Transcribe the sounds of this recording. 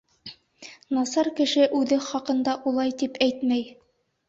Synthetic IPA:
nɑsɑɾkɘ̆ʃɘʔʉðɘχɑqɤ̆nd̪ɑʔulˠɑjt̪ipæjt̪mæj

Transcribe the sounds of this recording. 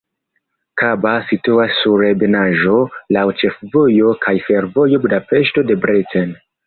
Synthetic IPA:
kabasituasːuɾebenaʒo̞lawt͡ʃe̞fvo̞jo̞kʰajfe̞ɾvo̞jo̞bdape̞ʃto̞de̞bɾiten

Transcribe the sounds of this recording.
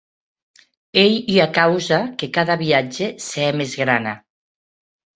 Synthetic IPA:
ejiakawzakekaðaβiad͡ʒeseɛmezɣɾana

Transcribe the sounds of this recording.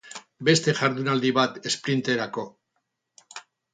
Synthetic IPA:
be̞st̪e̞ʝaɾðunald̪iβat̪e̞spɾint̪e̞ɾako̞

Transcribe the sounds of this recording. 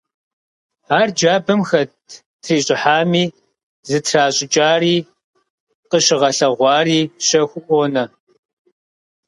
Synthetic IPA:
aːrd͡ʒaːbɐmxɐtʰ | tʰriːɕʼɪħaːmiː | zɨtʰraːɕʼɪt͡ʃʼaːriː | qəʃɪʁɐɬɐʁʷɑːriːʃɐxʷʊʔɔnɐ

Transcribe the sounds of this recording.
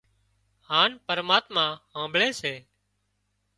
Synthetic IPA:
haːnpəɾmaːt̪mãːɦãːbʱɭeːseː

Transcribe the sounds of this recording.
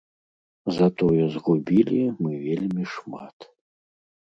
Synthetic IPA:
zɐt̪ɔjɔzɣubʲilʲimɨvʲelʲmʲiʂma̰t̪

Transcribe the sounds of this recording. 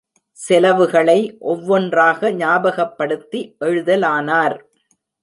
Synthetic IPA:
sɪlɐʋɯɣɐɭɐɪʔɔʋːɔndraːɣɐɲaːbɐɣɐpːɐɽɯt̪ːiʔɛɻɯðɐlaːnaːɾ

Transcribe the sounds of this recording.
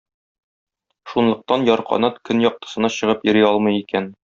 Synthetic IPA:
ʃunlˠɤ̆q̚t̪ɑnjɒɾqɒ̰nɑt̪kɵnjɒq̚t̪ɤ̥̆sɤ̆nɑɕɤ̆ʁɤpjɵ̆ɾiɒlˠmɤ̆jikæn

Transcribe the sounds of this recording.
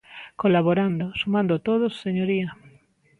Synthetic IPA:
kolaβoɾand̪osumãnd̪ot̪oð̞osːeɲoɾia

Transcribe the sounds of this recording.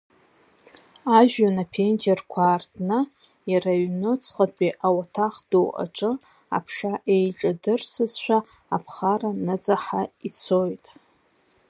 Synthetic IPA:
aʒᶣanapʰend͡ʒerkʷʰaːrtʰʼnɨ | jaraɥnɨt͡sʰʼχʼapʼiʔawatʰaχd̥owʔa̰ʈ͡ʂʼɨ | a̰pʰʂaʔe̞jʈ͡ʂʼadɨrsɨzʃʷᶣaː | pʰχaranɨd͡zʼaħait͡sʰo̞jtʼ

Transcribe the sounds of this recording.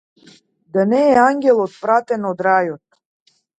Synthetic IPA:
d̪anɛːaŋɡʲɛlˠot̪̚pɾat̪ɛnod̪ɾajot̪̚

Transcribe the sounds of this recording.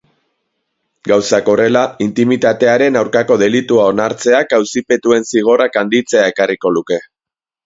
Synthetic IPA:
ɡawsako̞re̞laint̪imit̪at̪e̞aɾe̞nawɾkako̞ðe̞lit̪uao̞naɾt͡se̞akawsipe̞t̪ue̞nsiɣ̞o̞rakand̪it͡se̞ae̞kariko̞luke̞

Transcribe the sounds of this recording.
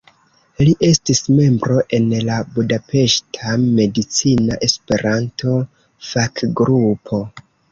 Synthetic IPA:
liʔe̞stisme̞mbɾo̞ʔe̞nlabudape̞ʃtʰame̞dit͡sinaʔe̞spe̞ɾantʰo̞ | fakɡɾupʰo̞

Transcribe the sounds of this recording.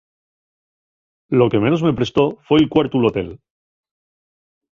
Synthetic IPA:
lo̞ke̞me̞nozme̞pɾe̞st̪o̞fwelkwaɾt̪ulot̪e̞̰l

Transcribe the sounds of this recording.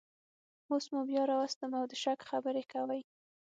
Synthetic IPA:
osmubjɑɾɑwast̪əmawd̪əʃakxabəɾekawaj

